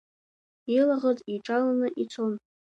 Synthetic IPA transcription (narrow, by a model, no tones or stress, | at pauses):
ilaʁəzʼiʈ͡ʂʼalanɨʔit͡sʰon